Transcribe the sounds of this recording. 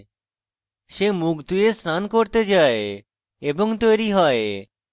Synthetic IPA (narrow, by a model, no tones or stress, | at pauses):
ʃemukd̪ujesɾankoɾt̪ed͡ʑae | eboŋt̪ojɾiɦɔe